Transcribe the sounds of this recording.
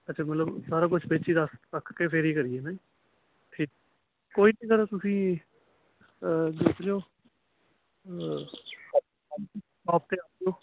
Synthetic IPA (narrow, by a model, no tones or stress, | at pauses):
ətːt͡ʃʰaːmət̪ləbsaːɾaːkʊt͡ʃʰbeːt͡ʃiːd̪əsɾəkʰkeːpʰɪɾiːkəɾijeːnã | t̪ʰiː | koːiːnĩːkəɾeːt̪ʊsĩː | d͡ʒeːk̪d͡ʒoː | aːp̚t̪eːaːp̚d͡ʒoː